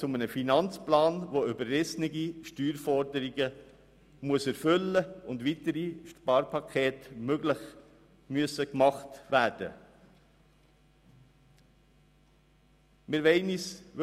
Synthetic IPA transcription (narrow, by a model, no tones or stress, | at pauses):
t͡sʊmənəfinɑnt͡splɑːnʋoybəɾrɛsnɪɡiʃtyːɾfɔɾdəɾiɡə | muəsæɾfʏlːəʊndʋitəɾiʃpɑːɾpʰɑkʰeːtmøɡlɪχ | myəsəkmɑχtʋæːɾd̥ə̰ | mɪɾʋɛɪnisʋ